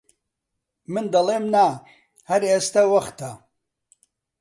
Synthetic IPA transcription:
mɨnd̪ɐleːmna | hɐɾeːst̪ɐwɐxt̪ɐ

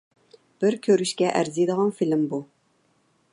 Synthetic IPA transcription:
b̥ɪɾkʲʰøɾyʃkʲɛʔæɾzijd̪əʁɑnfilɪmbu

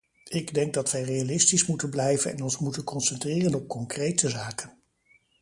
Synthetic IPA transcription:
ɪɡdɛŋɡ̚dɑtʋɛjrejalɪstismutənblɛjvənɛ̰nɔnsmutənkɔnsɛntrɪːrənɔp̚kɔŋkrejtəzaːkən

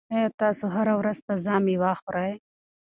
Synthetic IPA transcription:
et̪ɑːsoɦaɾawɾazt̪azɑːmiwɑːxoɾaj

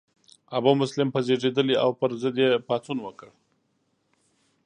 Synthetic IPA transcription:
abumʊslɪmpəzeʐed̪əlia̰wpəɾzəd̪jepɑt͡sunwəkəɽ

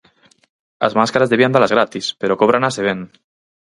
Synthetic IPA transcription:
ə̰zmaskaɾazðeβiand̪alazɾat̪ispeɾokoβɾanaseβ̞en

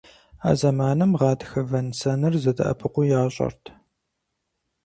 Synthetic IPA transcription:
a̰ːzɐmaːnɨmʁɑːdxɐvɐnsɐnɨrzɐdʰɨ̰ʔɐ̰pʰɨqʷʊjaːɕʼɐ̰rtʰ

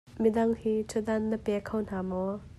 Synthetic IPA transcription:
midɐŋhiːt͡sʰudɐnːəpɛkʰɐwn̥aːmɔ

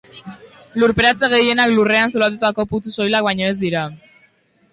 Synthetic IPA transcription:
luɾpeɾat͡se̞ɣe̞je̞naklure̞ansulat̪̬ut̪ako̞put̪uso̞jlak̚bajɲo̞e̞zd̪iɾa

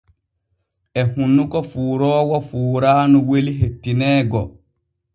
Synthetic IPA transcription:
ʔɛhunːukɔfuːɾɔːwɔfuːɾaːnuweliɦetːinɛːɡɔ

